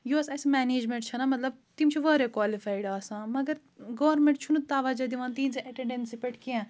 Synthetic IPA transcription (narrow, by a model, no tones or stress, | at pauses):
joɐsãɐsmɛːneːd͡ʒmẽɳʈt͡ʃʰɐnamɐt̪lɐb̚t̪imt͡ʃʰiʋɐːɾekʋaːlifaːiɖaːsãːmɐɡɐɾ | ɡɐʋɾmẽɳʈt͡ʃʰunut̪aːʋaːd͡ʒɐd̪iʋaːnt̪iːnt͡seʔeʈẽɳɖensipeʈkiɛ̃